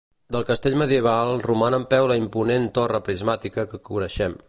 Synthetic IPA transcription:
d̪əlˠkəst̪eʎməðiəβ̞alˠrumanəmpɛwləimpunent̪orəpɾizmat̪ikəkəkuɾəʃɛm

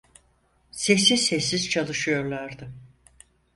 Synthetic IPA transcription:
sesizsɛsːiz̥t͡ʃʰalˠɯʃɯjo̞ɾlˠaɾd̪ɯ

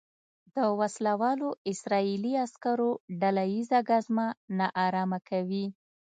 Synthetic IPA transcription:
d̪̥əwaslawɑloɪsɾɑiliaskaɾoɖalajizaɡazmanaʔɑɾɑmakʰawi

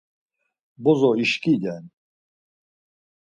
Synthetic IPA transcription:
bɔzɔiʃkʼid̪ɛn

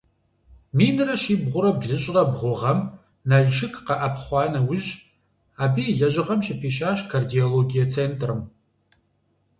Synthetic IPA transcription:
miːnɨrɐʃiːbʁʷʊɾɐbzɨɕʼrɐbʁʷʊʁɐm | naɮʃɪkʼqɐʔɐpχʷɑːnɐwʊʒ | aːbiːɮɐʒʷʼɪʁɐmʃɪpʰiːʃaːʃkʰardioloɡijɐt͡sʰeːntʰʼrɨm

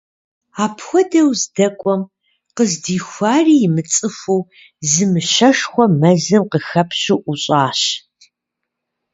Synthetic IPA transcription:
aːpʰxʷɔdɐwzdɐkʷʼɔm | qəzdiːxʷaːriːjɪmɨt͡sʼɨfow | zɨmɨʃɐʃxʷɔmɐzɨmqəxɐpʰɕɪʔuɕʼaːɕ

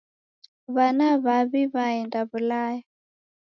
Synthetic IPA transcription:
βanaβaβiβaɛndaβulaja

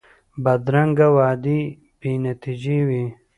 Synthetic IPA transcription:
bɐd̪ɾɐŋɡawaːd̪i | binɐt̪id͡ʒiwi

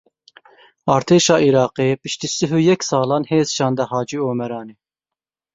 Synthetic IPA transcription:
ɑːɾt̪ʰeːʃɑːʔiɾɑːqipiʃt̪isɨɦujɛkʲsɑːlˠɑːnheːzʃɑːnd̪ɛɦɑːd͡ʒioːmɛɾɑːni

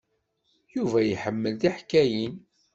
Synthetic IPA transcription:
juvæjħəmːəlðiħkːæjin

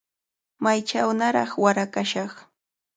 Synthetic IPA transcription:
majt͡ʃawnaɾɑ̰χwaɾakaʃɑχ

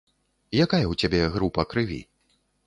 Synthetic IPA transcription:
jakajɐwt͡sʲabʲɛɣɾupɐkɾɨvʲḭ

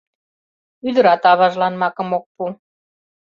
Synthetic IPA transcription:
yd̪ə̆ɾɑt̪ɑβɑʒlɑnmɑkɤ̆mok̚pu

